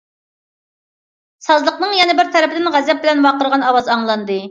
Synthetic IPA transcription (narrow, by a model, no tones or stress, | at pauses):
sɑzlˠəqnɨŋjɛnɪbɪɾt̪ʰɛɾɪpʰɪd̪ɪnʁæzɛp̚bɪlɛnwɑqəɾʁɑnɑwɑzɑŋlˠɑnd̪ɨ